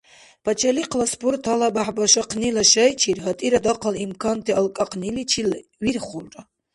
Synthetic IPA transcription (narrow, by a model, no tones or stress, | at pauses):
pʰat͡ʃʰaliqʰlaspʰurtʰalabaħbaʃaqʰnilaʃajt͡ʃʰirɦatʼiɾadaqʰalimkʰantʰialkʼaqʰnilit͡ʃʰilɥirχʊlʈ͡ʂʼa